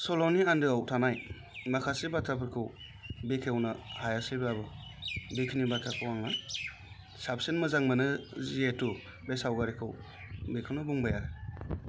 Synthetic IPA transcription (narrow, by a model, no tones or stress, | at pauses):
solɔniandɯawtʰanaj | makʰasibatʰapʰɯɾkʰɯw | bekʰewnɯhajasɯbabɯ | bekʰinibatʰakʰɯwaŋa | sapsenmɯzaŋmɯnɯzietu | besawɡaɾikʰɯw | bekʰɯwnɯbuŋbajaɾɯ